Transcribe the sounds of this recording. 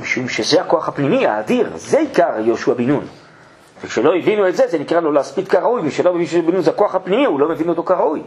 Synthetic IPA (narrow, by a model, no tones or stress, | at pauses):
miʃumʃezeako̞aχapnimia̰ːdiʁzeikaʁjoʃuabinun | vekʃeloivinuetzeze̞nikʁalo̞leaspitkaʁaujmiʃelobevinʃeubinunzeako̞aχapnimiulo̞mevino̞t̪o̞kaʁauj